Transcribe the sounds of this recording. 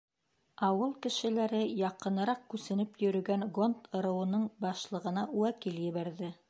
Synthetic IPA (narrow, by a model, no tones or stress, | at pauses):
ɑwɤlˠkɘ̆ʃɘ̆læɾɘjɑqɤ̆nɤ̆ɾɑq̚kʉsɘ̆nɘpjɵ̆ɾɵ̆ɡæŋɡont̪ʰɤ̆ɾɤ̆wɤ̆nɤɴbɑʃlˠɤ̆ʁɤ̆nɑwækiljɘ̆βæɾðɘ